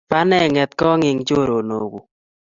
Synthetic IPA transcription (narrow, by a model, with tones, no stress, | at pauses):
pa˦nɛ˦˨ŋɛ˨t̪̚kɔ˦ŋɪ˨ŋt͡ʃo˦˨ɾo˨no˨ɡu˨